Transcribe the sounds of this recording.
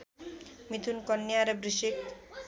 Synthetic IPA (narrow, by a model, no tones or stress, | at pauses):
mit̪ʰunkɔnːijaɾebɾiʃik